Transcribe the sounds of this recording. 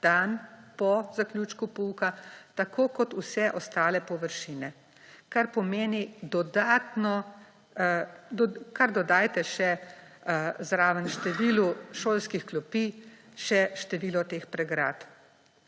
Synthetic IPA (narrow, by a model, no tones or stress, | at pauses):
d̪̥anpɔzaklʲjut͡ʃkupuːkat̪akʰoːkɔt̪usɛʔɔst̪aːlɛpɔʋəɾʃiːnɛ | kaɾpɔmeːnid̪ɔd̪aːt̪nɔ | kaɾd̪ɔd̪aːjt̪ɛʃɛ | zɾaːʋənʃt̪ɛʋiːluʃoːlskixklɔpi | ʃɛʃt̪ɛʋiːlɔt̪eːxpɾɛɡɾa̰ːt̪